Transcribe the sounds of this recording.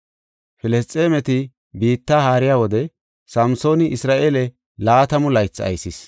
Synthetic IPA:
fɪlɛst͡s̪ʼːeːmɛt̪ɪ | biːt̪ːaːhaːɾɪjaːwɔd̪ɛ | sɐmso̞ːnɪʔɪsɾaːʔeːlɛ | laːt̪ɐmʊlɐjt͡sːɐ̰jsɪs

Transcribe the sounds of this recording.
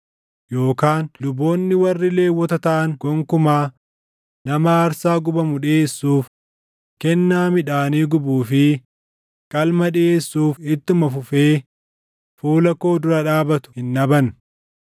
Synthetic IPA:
jo̞ːkaːnlʊbːo̞ːnːɪwɐrːɪle̞ːwːɔt̪ɐt̪ɐʔɐŋɡ̥ɔŋkʊmaː | nɐmɐːɾsaːɡʊbɐmʊᶑɪeːsːuːf | kɛnːaːmɪᶑaːniːɡʊbuːfɪ | kʼɐlmɐᶑɪe̞ːsːuːfɪt̪ːʊmɐfʊfe̞ː | fuːlɐko̞ːd̪ʊɾɐᶑaːbɐt̪ʊ̥hɪnːɐbɐn

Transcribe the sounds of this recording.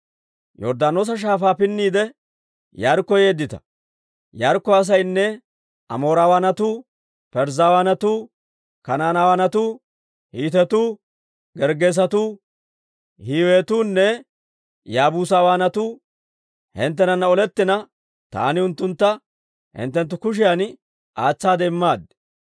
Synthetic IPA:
jɔ̰ɾd̪aːnoːs̬ɐʃ̬aːfaːpɪnːiːd̪ɛ | jɐɾkːɔjeːd̪ːɪt̪ɐ̥̰ | jɐɾkːɔɐs̬ɐjnːɛ | ʔɐ̰mo̞ːɾaːwaːnɐt̪uː | pɛɾzawaːnɐt̪uː | kɐnaːnawaːnɐt̪uː | hiːt̪ɛt̪uː | ɡɛɾɡeːs̬ɐt̪uː | hiːwe̞ːt̪uːnːɛ | jaːbuːsawaːnɐt̪uː | hɪnt̪̬ːɛnɐnːɐɔlɛt̪ːɪnɐ | t̪a̰ːnɪʊnt̪ːʊnt̪ːɐ | hɪ̰nt̪ːɛnt̪ːʊkʊʃ̬ɪjan | ʔaːt͡sːaːd̪ɛɪmːaːd̪

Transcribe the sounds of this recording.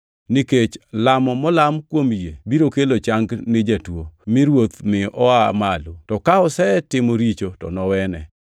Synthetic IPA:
niket͡ʃlamɔmɔlamkwomjebiɾokelot͡ʃaŋɡnɪd͡ʒatwomɪɾwot̪mɪɔamalutɔkaɔsɛtɪmoɾit͡ʃotɔ̰nɔwɛnɛ

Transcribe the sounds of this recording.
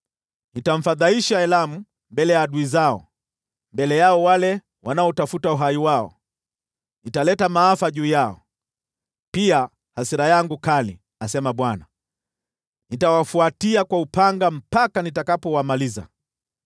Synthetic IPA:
nitam̩faðaiʃaɛlamu | mbɛlɛjaːɗuizaɔ̰ | mbɛlɛjaɔwalɛ | wanaɔtafutauɦajiwaɔ̰ | nitalɛtamaːfaʄuːjaɔ̰ | pia | hasiɾajaŋɡukalḭ | asɛmaɓwana | nitawafuatiakwaupaŋɡam̩pakanitakapɔwamaliza̰

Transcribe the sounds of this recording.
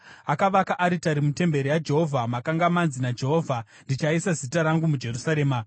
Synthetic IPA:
akaʋakaʔaɾitaɾimute̞mbe̞ɾijad͡ʒe̞ɦo̞vʱamakaŋɡamanzinad͡ʒe̞ɦoːvʱa | ndit͡ʃaisazitaɾaŋɡumud͡ʒe̞rusaɾe̞ːma

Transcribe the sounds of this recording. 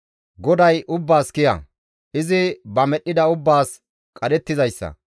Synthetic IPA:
ɡɔd̪ɐjʔʊbːaːskɪjɐ̰ | ʔɪzɪbɐmɛɗːɪd̪ɐʊbːaːs | kʼɐd̪ɛt̪ːɪzɐjsːɐ̰

